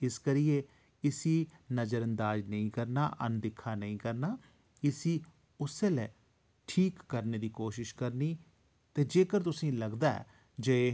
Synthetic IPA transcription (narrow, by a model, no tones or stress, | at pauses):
ɪskəɾieː | ɪsiːnəzəɾənd̪aːd͡ʒnəĩːkəɾna̰ːʔə̰nd̪ɪkʰːaːnəĩːkəɾnaː | ɪsiː | ʊseːlɛː | ʈʰiːkːəɾneːd̪iːkoːʃɪʃkəɾniː | t̪eːd͡ʒeːkəɾt̪ʊsĩːləɡd̪aːɛ̰ː | d͡ʒe